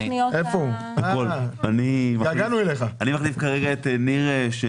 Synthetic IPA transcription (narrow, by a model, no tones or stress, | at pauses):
nioefou | akolanimaɡaɡanueleχaanimaχlifkaʁeɡaeteniʁeʃe